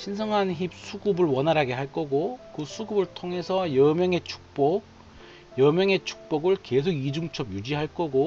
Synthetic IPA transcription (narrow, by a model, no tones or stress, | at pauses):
ɕʰins̬ʰʌŋançip̚sʰuɡubɯɭwʌnɦaɾaɡe̞ɦaɭk͈ʌɡokɯsʰuɡubɯɭtʰoŋɦe̞sʰʌjʌmjʌŋe̞t͡ɕʰu̥k̚p͈ok̚ | jʌmjʌŋe̞t͡ɕʰu̥k̚p͈ʌɡɯɭke̞s̬ʰoɡid͡ʑuŋt͡ɕʰʌbjud͡ʑiɦaɭk͈ʌɡo